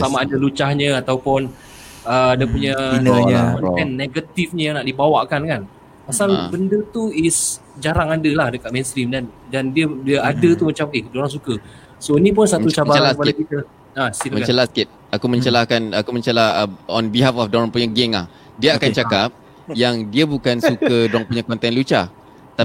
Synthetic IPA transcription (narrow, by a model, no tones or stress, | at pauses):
samaadalut͡ʃahɲə̃at̪awpʊn | əadapuɲanɲɔɛnːeɡət̪ifɲə̃jaŋnaʔdibawaʔkankan | pasalbəndət̪uis | d͡ʒaɾaŋadəlahdəkat̪̚menst̪ɾimdandandiədiəadət̪umət͡ʃamidoɾaŋsukə | soinĩp̬ʊnsaut͡ʃabaalabakit̪ə | asit̪əmə̃t͡ʃəlaskɪt̪̚ | akumə̃ɲt͡ʃəlahkanakumə̃ɲt͡ʃəlahəɔnbiɦafɔfdɔɾɔŋpuɲaɡeŋla̰h | diəakant͡ʃakap̚ | jaŋdiəbukansukədɾɔŋpuɲakɔnt̪ɛnlut͡ʃa | t̪a